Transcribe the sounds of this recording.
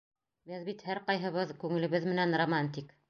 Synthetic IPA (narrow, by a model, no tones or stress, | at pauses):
bɘðbit̪hæɾqɑjɦɤ̆βɤðkʉŋɘ̆lɘ̆βɘðmɘ̆nænromant̪̬ʲik